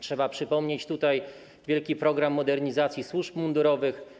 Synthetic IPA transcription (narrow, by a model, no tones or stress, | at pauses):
tʂɛbapʂɘpɔmɲet͡ɕt̪ut̪aj | vʲjɛlkʲipɾɔɡɾamːɔd̪ɛɾɲizat̪sʲjiswuʐpmund̪uɾɔvɘx